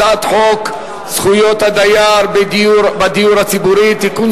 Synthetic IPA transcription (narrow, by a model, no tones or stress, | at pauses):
at̪ħok | sχujo̞t̪had̪ajaɾbbad̪ijuɾhat͡sibuɾit̪ikun